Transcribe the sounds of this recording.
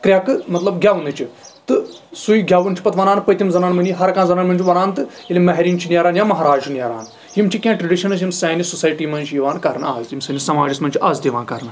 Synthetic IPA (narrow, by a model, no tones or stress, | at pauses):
kɾʲakɨmɐt̪lɐbɡʲjaːʋunɨt͡ʃʰit̪ɨsujɡʱʲjaːʋunt͡ʃʰi̥pɐt̪ʋɐnaːnpəjt̪ʲimzɐnaːnmɐnʲiɦɐɾkãːzɐnaːnmɐnʲt͡ʃʰiʋɐnaːnt̪ɨ | ilimɐɦɾiːnt͡ʃʰinʲaɾaːnjaːmɐɦaːɾaːd͡ʒnʲjaːɾa̰ːn | jimt͡ʃʰikʲãːʈɾɐɖiʃɐnɐsjimsaːnisusaːjʈiːmɐnʲt͡ʃʰiiʋaːnkɐɾnaaːzjimsɐnisɐmaːd͡ʒismɐnʲt͡ʃʰiʔaːzd̪eʋaːnkɐɾna